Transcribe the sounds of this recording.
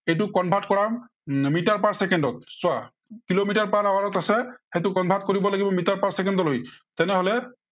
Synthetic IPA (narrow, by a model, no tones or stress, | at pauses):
ejt̬ʊkɔnbʱatkɔɹam | mitaɹpaɹsɛkɛndɔt̪̚swa | kilomitaɹpaɹawaɹɔt̪asɛxetʊkɔnbʱatkoɹibɔlaɡibɔmitaɹpaɹsɛkɛndɔlojt̪ɛnɛɦolɛ